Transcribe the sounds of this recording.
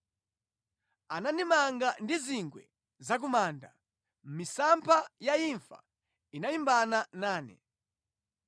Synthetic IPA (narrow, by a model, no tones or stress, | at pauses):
ananimaŋɡandiziŋɡwɛ̰ | zak̬umaːnda | m̩misampʰajaiɱfa̰ | inaimbananaːnɛ̰